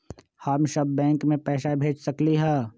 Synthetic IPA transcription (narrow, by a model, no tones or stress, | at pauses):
həmʃɐbːɛ̃ːŋkmẽpɛːʃabʱeːd͡ʒsɐkliɦɛː